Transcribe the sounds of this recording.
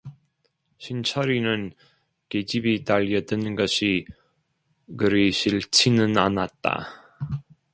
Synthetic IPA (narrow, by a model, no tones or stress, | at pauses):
ɕʰint͡ɕʰʌɾinɯn | ked͡ʑibitaʎːʌdɯnɡʌɕʰi | kɯɾiɕʰiɭt͡ɕʰinɯnanat̚t͈a̰